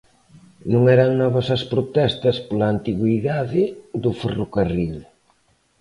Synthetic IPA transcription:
nũŋɛɾaŋnɔβɐsɐspɾot̪ɛst̪ɐspolaːnt̪iɣwiðaðɪðuferokaril

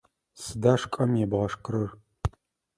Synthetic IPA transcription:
sɨdaːʂkʼɐmjɛbʁɐʂkʼɨɾɨr

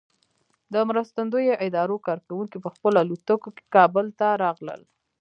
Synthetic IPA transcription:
d̪əmɾəst̪and̪ojoʔɪd̪ɑɾokɑɾkawuŋkipəxpəlalut̪əkoke̥kɑbəlt̪aɾɑɣlə̰l

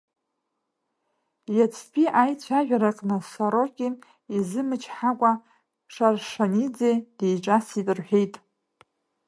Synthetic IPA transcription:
jat͡sʷʰpʲʼiʔajt͡sʷʰaʒᶣaɾaqʼnɨsaɾokʲʼi | izɨmɨt͡ʃʰħakʷʼa | ʂarʂanid͡zejd̥ejʈ͡ʂʼasidʼɨrħʷᶣe̞jtʼ

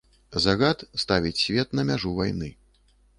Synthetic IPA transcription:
zaɣat̪st̪avʲit͡sʲsʲvʲɛt̪nɐmʲaʐuvajnɨ

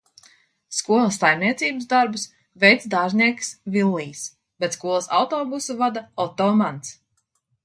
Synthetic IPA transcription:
skuɔlˠɐsːajmniɛt̪siːbɨsd̪aɾbus | vejt̪sd̪aːʒniɛksvilˠːiːs | b̥et̪skuɔlˠɐsa̰wt̪ɔːbusuvad̪aɔt̪ɔːmant̪s

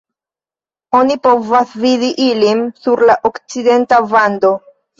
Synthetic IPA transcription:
o̞nipo̞vasvidiʔilinsuɾlaʔo̞kt͡side̞ntavando̞

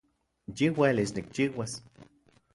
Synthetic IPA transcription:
jiwelisnik̚t͡ʃiwas

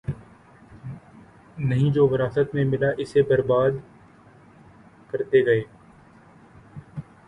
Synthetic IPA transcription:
nɐɦĩd͡ʒoːʋɪɾaːsət̪mẽmɪlaʔɪsebɐɾbaːd̪ | kɐɾt̪eɡɐeː

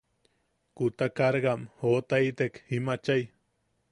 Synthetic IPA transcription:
kut̪akaɾɡamhot̪ait̪ekhimat͡ʃaj

